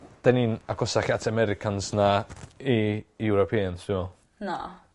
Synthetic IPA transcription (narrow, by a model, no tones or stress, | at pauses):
d̥aninakʰɔsaɬatʰamɛɾɪkʰansnaiuɾɔpʰeːanstʰɪmɔ | nɔ